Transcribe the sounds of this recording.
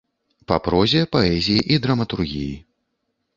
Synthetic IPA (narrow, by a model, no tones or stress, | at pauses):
pa̰pɾɔzʲijɐpaɛzʲijiʔid̪ɾɐmɐt̪urɣʲiji